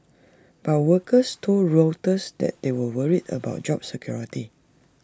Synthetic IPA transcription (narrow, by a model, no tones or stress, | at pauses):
b̥at̚wəkəstʰoldɹətəsdɛ̰t̚dewəwəɹitə̰ba̰ʊt̚d͡ʒɔp̚səkʰjɔɹiti